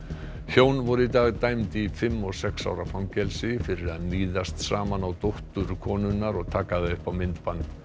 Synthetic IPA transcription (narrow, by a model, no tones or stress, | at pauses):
çjoːwnvɔɾʏit̪aːɣt̪ajmt̪ifɪmːɔɣsɛksa̰ːwɾafamcɛlsɪfɪɾɪɾaðmiːðast̪saːmanawt̪owht̪ʏɾkʰɔːnʏnːaɾɔɣt̪ʰaːkaðaʏhpawmɪnt̪pant̪